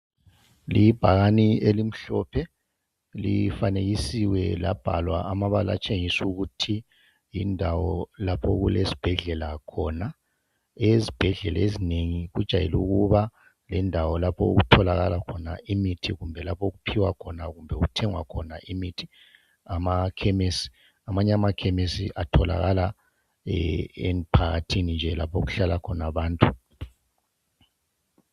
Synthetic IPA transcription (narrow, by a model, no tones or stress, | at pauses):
lib̥ʱaɣanielim̩ɬɔ̰pʰɛ | lifaneɣisiwɛla̰b̥ʱalwa̰ʔamaβala̰t͡ʃʼeŋisuɣutʰi | jindʱawɔlapʰɔɣulesi̥b̥ʱɛɮɛlakʰɔna | ezib̥ʱɛɮɛlaezineŋiɣud̥ʒ̥ʱajelṵɣuβa | lɛndʱawɔlapʰɔo̰ɣutʰɔlaɣalakʰɔna̰imitʰiɣumbʱɛlapʰoɣupʰiwakʰɔnaɣumbʱɛuutʰɛŋwa̰kʰɔnaʔimitʰi̥ | amakʰɛmesi̥ | amaɲɛamakʰɛmesḭʔatʰɔla̰ɣala | empʰaɣa̰tʰinind͡ʒʱɛla̰pʰoɣuɬalakʰɔnaβaːntʼu